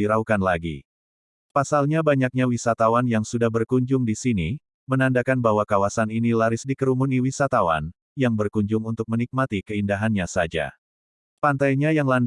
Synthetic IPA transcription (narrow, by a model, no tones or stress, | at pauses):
iɾaukanlaɡḭ | pasalɲabaɲak̚ɲawisat̪awanjaŋsudahbərkuɲd͡ʒʊŋdisini | mənandakanbaɦwakawasaninilaɾɪsdikəɾumuniwisat̪awa̰n | jaŋbərkuɲd͡ʒʊŋunt̪ʊk̚mənik̚mat̪ikəindaɦanɲasad͡ʒa̰ | pant̪ajɲajaŋlan